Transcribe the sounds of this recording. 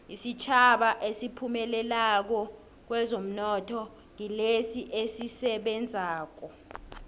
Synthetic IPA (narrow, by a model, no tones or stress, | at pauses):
isit͡ʃʰaɓaʔesipʰumɛlɛlak̬ɔ | k̬wɛzom̩nɔtʰɔ | ŋilesiʔesisɛɓɛnd͡zʱaːk̬ɔ